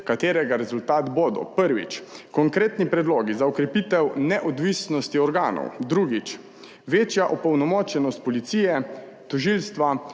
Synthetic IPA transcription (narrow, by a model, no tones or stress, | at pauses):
kat̪eːɾɛɡaɾɛzult̪aːt̪boːd̪ɔ̰pəɾʋḭt͡ʃkɔŋkɾeːt̪nipɾɛd̪loːɡizaɔkɾɛpit̪ɛwnɛʔɔd̪ʋisnɔst̪iɔɾɡaːnɔ̰wd̪ɾuːɡit͡ʃ | ʋeːt͡ʃjaʔɔpɔwnɔmɔt͡ʃjɛnɔst̪̚pɔlit̪siːjɛ | t̪ɔʒilst̪ʋa